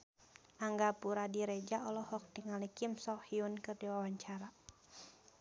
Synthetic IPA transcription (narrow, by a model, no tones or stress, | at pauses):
ʔaŋɡapuɾadiɾɛd͡ʒaɔlɔhɔk̚tiŋalikimsɔhiunkɨrdiwawaɲt͡ʃaɾa